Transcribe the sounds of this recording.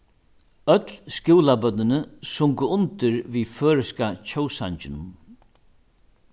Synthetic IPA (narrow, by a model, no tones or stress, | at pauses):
œt̪lskɪwlabœt̪nɪnəsʊŋkʊʊnt̪ɪɹviːføːɹɪskat͡ʃʰɔwsa̰ɲt͡ʃɪnʊm